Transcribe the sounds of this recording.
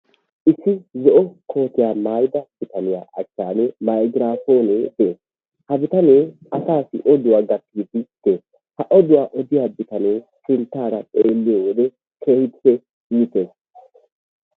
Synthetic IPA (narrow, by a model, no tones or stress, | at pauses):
ʔɪsɪzɔʔɔkʰo̞ːt̪ɪjaːmaːjd̪ɐb̥ɪt̪ɐnɪja̰ːʔɐt͡ʃːaːnɛmajɡɪɾaːfo̞ːnet̪ːe | hɐbɪt̪ɐneːɐsaːsɪ̰ʔɔd̪ʊwaːɡɐtːiːd̪ɪt̪ːe | hɐʔɔd̪ʊwaːʔɔd̪ɪjaːbɪt̪ɐneːt͡ʃɪnt̪ːaːɾɐtʼeːlːɪjowɔd̪ɛ | kʰehɪt̪ːɛ | iːt̪ːes